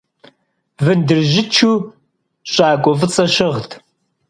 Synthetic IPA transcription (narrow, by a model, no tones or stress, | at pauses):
vɨndɨrʒɪt͡ʃʰuː | ɕʷʼaːkʷʼɔvɨt͡sʼɐɕɪʁtʰ